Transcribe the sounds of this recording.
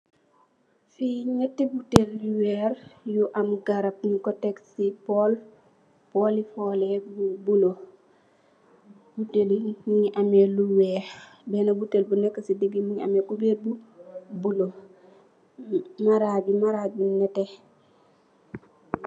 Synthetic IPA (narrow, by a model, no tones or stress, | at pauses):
fiɲɛtːebutelːuwɛːɾjuʔamɡaɾɐp̚nikɔtɛksipɔl | pɔlifɔlɛbubulo | b̥utelimuɲʔamɛluwɛːɾ | bɛnɐbutelbunɛkːəsidiɡimuɲa̰mɛkubɛbubulo | maɾabimaɾabinɛtɛ